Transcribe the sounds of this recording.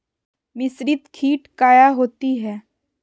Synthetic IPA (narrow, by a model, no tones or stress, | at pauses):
mɪsɾit̪kʰiːʈkaːjaɦoːt̪iɦɛː